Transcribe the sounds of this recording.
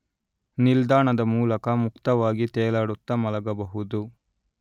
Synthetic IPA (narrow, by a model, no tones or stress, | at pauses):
nild̪aːɳɐd̪ɐmuːlɐkɐmukt̪ɐʋaːɡit̪ɛːlaːɽut̪ːɐmɐlɐɡɐbɐɦud̪u